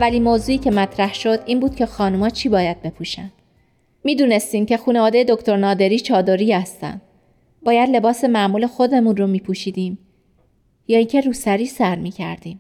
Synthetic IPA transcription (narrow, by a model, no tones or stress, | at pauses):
ævːæliːnmoːzuːiːcʰe̞mæt̪ʰɾæhʃo̞d̪ʔiːnbuːd̪̥̚cʰe̞xɒːnumɒːt͡ʃʰiːbɒːjæd̪̥̚be̞pʰuːʃæ̰n̥ | miːd̪uːne̞st̪iːmcʰe̞xuːne̞vɒːd̪e̞je̞d̪o̞kt̪ʰo̞ɾnɒːd̪e̞ɾiːt͡ʃʰɒːd̪oɾiːhæst̪æ̰nd̪̥ | bɒːjæd̪le̞bɒːse̞mæmuːle̞xo̞d̪e̞munromiːpʰuʃiːd̪iːm | jɒːiːŋcʰe̞ɾuːsæɾiːsæɾmiːcʰæ̰ɾd̪iːm